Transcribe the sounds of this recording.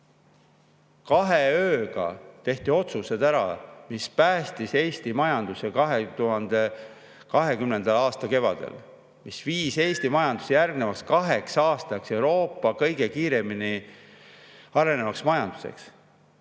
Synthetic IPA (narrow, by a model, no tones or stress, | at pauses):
kɑɦeøːɡ̥ɑ̰t̪e̞ht̪io̞t̪suse̞d̪æɾɑ̰mispæːst̪ise̞ːst̪imɑjɑnd̪usekɑɦet̪uɦɑnd̪̥e̞ | kɑɦe̞kymnend̪ɑlɑːst̪ɑke̞vɑ̰d̪ḛl | misviːse̞ːst̪imɑjɑnd̪̥u̥sijærɡnevɑkskɑɦe̞ksɑːst̪ɑkse̞wɾo̞ːpːˑɑkɤ̞jɡ̥e̞kiːɾe̞mini | ɑɾe̞ne̞vɑksmɑjɑnd̪̥u̥se̞̰ks